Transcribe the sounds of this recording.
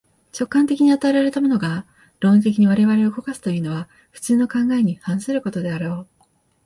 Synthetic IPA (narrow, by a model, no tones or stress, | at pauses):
t͡ɕo̞kːãnt̪e̞kʲiɲ̟iat̪aeɾaɾe̞t̪amo̞no̞ɡa | ɾo̞ːnt̪̬e̞kʲiɲ̟iβ̞aɾe̞βaɾe̞okokasɨ̥t̪o̞jɯːno̞βa | ɸɯ̟̥t͡sɨːno̞kãŋɡae̞ɲ̟ihãɰ̃sɨɾɯ̟ko̞t̪o̞d̪e̞aɾo̞ː